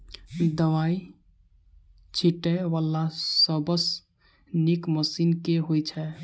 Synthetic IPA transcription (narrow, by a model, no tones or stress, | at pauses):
d̪əwai | t͡ʃʰiʈɛʋəlːasəbəs | nikməsinkeɦojt͡ʃʰɛ